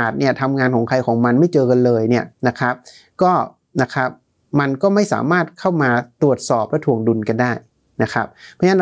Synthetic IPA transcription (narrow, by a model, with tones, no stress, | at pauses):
t̪̚ni˥˩ɐt̪ʰa˧mŋaː˧nkʰɔː˩˦ŋkʰa˧jkʰɔː˩˦ŋma˧nma˥˩jt͡ɕɤː˧ka˧nlɤː˧jni˥˩ɐna˦˥kʰɾa˦˥p̚ | kɔː˥˩ | na˦˥kʰa˦˥p̚ | ma˧nkɔː˥˩ma˥˩jsa̰ː˩˦maː˥˩t̪̚kʰa˥˩wmaː˧t̪ɾu˨˩ət̪̚sɔː˨˩p̚lɛ˦˥t̪ʰu˨˩əŋdu˧nka˧ndaː˥˩j | na˦˥kʰɾa˦˥p̚ʰːna˥˩